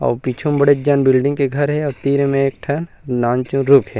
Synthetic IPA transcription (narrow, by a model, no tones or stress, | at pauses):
ɔ̰ːpiːt͡ʃʰõmbɐɽed͡ʒɐnbɪlɖɪ̃ŋɡkeɡʱɐɾɦɛɔːɾt̪iːɾemẽeːk̚ʈʰɐnnaːnt͡ʃũɾʊkʰɦɛː